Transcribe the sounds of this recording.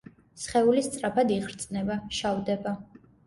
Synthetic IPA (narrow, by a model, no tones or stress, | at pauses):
sχɛulist̪sʼɾapʰad̪iʁɾt̪sʼnɛbaʃavd̪ɛba